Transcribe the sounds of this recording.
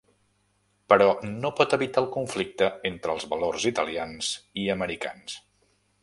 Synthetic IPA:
pəɾɔnopɔt̪əβit̪aəlˠkuɱflik̚t̪əent̪ɾəːlˠzβəlorzit̪əlianziəməɾika̰ns

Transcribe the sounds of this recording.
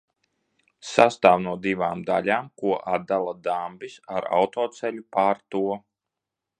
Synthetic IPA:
sast̪aːwnuɔd̪ivaːmd̪alʲaːmkuɔʔad̪d̪ːalˠad̪ambʲisaɾa̰wt̪ɔːt̪sɛlʲupaːɾt̪uɔ

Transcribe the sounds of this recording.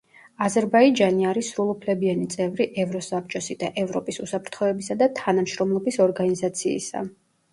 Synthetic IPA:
azɛɾbaid͡ʒaniaɾisɾulˠupʰlɛbianit̪sʼɛvɾiʔɛvɾɔsap̚t͡ʃʼɔsid̪a̰ʔɛvɾɔpʼisusapʰɾt̪ʰχɔɛbisad̪at̪ʰanamʃɾɔmlˠɔbisɔɾɡanizat̪sʰḭːsa̰

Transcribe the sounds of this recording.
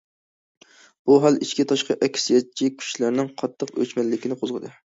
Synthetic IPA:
b̥uɦɑlˠit͡ʃkʲit̪ʰɑʃqɑʔɛkʲʰsjɛt͡ʃʰikʲʰy̥ʃlæɾnɪŋqʰɑt̪ʰːəqø̰t͡ʃmɛlːɪkʲinɪqʰozʁəd̪ɨ

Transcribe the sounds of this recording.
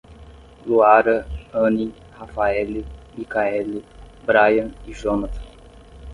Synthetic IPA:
luaɾə̃ni | hafaɛlimikaɛli | bɾajɐ̃niʒonat̪ɐ̥̃

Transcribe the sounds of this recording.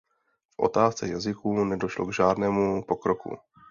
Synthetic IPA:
fʔo̞̰t̪aːst͡sɛjazɪkuːnɛdo̞ʃlo̰ɡʒaːdnɛːmupo̞kɾo̞kṵ

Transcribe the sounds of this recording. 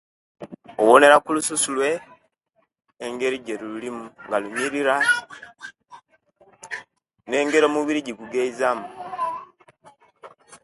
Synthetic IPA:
o̰wone̞ɾakulususulwe̞ | ŋɡe̞ɾiɟeɾululimuŋɡaluɲiɾiɾa | ne̞ːŋɡe̞ɾo̞muβiɾiɟiɡuɡeizamu

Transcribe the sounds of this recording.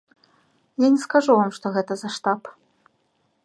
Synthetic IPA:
janʲɛskaʐuvamʂt̪ɔɣɛt̪ɐzaʂt̪ap

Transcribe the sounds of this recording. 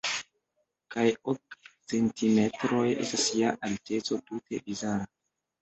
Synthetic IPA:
kajokt͡se̞ntʰime̞tɾo̞je̞̰stasiaʔalte̞t͡so̞tute̞̰bizaɾa

